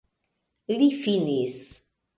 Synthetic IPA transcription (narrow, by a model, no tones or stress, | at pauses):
lifinis